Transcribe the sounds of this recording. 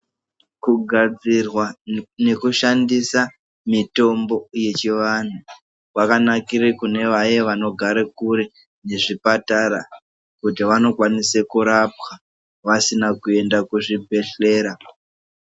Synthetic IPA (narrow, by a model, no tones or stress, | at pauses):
kuɡʱad͡zirwane̞kuʃandisa | mito̞mbo̞je̞t͡ʃiʋan̤u | kwakanakiɾekune̞ʋajeʋano̞ɡʱaɾekuɾi | ne̞ʐipataɾa | kutiʋano̞kwanisekuɾap̚xa | ʋasinakue̞ndakuʐibʱe̞ɬe̞ːɾa